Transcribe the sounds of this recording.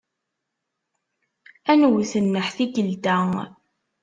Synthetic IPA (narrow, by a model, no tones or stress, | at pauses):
ænwθənːəħθiɡəld̪æ